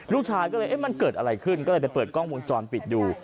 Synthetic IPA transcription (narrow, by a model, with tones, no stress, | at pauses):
ɾuː˥˩k̚t͡ɕʰaː˧jkɔ˥˩ɤː˧jʔma˧nkɤː˨˩t̪̚ʔa˧ɾa˧jkʰɯ˥˩nkɔː˥˩lːjt͡ɕa˨˩pɤː˨˩t̪̚kʰɔː˥˩ŋwu˧nt͡ɕɔː˧npi˨˩t̪̚duː˧